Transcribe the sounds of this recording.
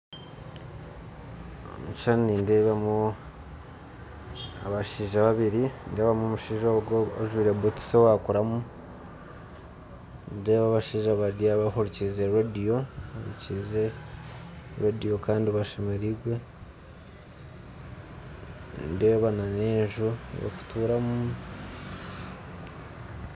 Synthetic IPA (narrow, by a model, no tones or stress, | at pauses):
omut͡ʃannindeβamu | a̰βaʃiːʒaβaβiɾindeːβamomuʃiːʒoɡooʒwiːɾebuti̥sowakuɾamu | ndeːβaβaʃiːʒaβadiaβahuɾicizeɾadijo̞aɾḭcize | ɾadijo̞kaːndiβaʃemeɾiɡwe̞ | ndeβanane̞ːʒujo̰ku̥tuːɾamu